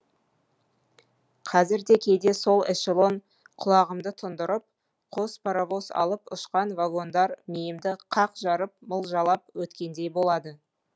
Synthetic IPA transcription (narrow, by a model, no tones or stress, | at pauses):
qʰɑzɪɾd̪e̞kʲʰe̞d̪e̞so̞lˠɪ̰ʃelˠo̞n | qʰʊlˠɑʁəmd̪ət̪ʰʊnd̪əɾəp̚ | qʰo̞spʰaɾavo̞sɑ̰lˠəpʊʃqɑnvaɡo̞nd̪ɑɾmijɪmd̪ɪqʰɑqʒɑɾəp̚məlˠʒɑlˠɑp̚wɵt̪kʲe̞nd̪e̞jbo̞lˠɑd̪ə